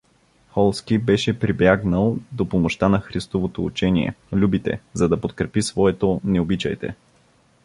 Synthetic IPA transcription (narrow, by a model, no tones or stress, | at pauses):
xɔlˠskibɛʃɛpɾibjaɡnəlˠd̪opomoʃt̪anɐxɾist̪ovot̪out͡ʃɛniɛ̰lʲubit̪ɛ̰zɐd̪ɐpot̪kɾɛpisvɔɛt̪onɛobit͡ʃə̰jt̪ɛ̰